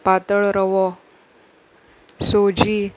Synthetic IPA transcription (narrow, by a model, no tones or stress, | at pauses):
pat̪əɭɾəʋɔ | sod͡ʑi